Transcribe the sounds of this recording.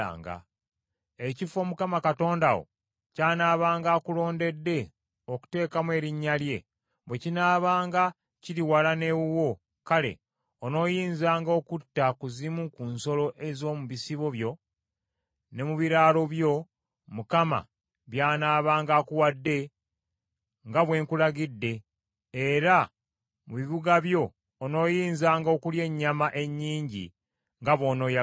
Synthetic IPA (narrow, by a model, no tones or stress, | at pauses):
a̰ːŋɡa̰ | ecifo̞mukamakato̞ːndawo̰ | caːnaːβaːŋɡaːkulo̞ːnde̞dːe̞ | o̞ku̥te̞ːkamwe̞ːɾiɲːalje̞ | βwe̞cinaːβaːŋɡa | ciɾiwalane̞βuwo̞ | kale̞̰ | ono̞ːjiːnzaːŋɡo̞ːkutːakuzimukunso̞lo̞ʔe̞zo̞ːmuβisiβo̞βjo̞ | ne̞muβiɾaːlo̞βjo̞ | mukama̰ | βjaːnaːβaːŋɡaːkuwadːe̞ | ŋɡaβwe̞ːŋkulaɡidːe̞ː | ɾa | muβiβuɡaβjo̞ː | no̞ːjiːnzaːŋɡaoːkulje̞ɲːamaʔe̞ɲːiːɲɟḭ | ŋɡaβo̞ːno̞ːja